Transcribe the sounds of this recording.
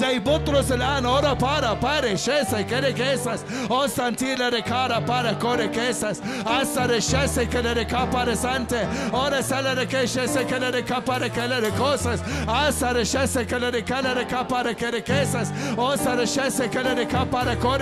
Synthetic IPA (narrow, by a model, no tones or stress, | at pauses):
d̪ejbʊt̪ɾoselanoɾɐpaɾɐpaɾeʃesekeɾekesɐs | osɐnt̪ilɐɾekaɾɐpaɾɐkoɾekesɐsasaɾeʃesekeleɾekapaɾesɐnt̪eoɾɐsalɐɾekeʃesekeleɾekapaɾɐkeleɾekosɐsasɐɾeʃesekeleɾekaleɾekapaɾɐkeɾekesɐsosɐɾeʃesekeleɾekapaɾɐkoɾ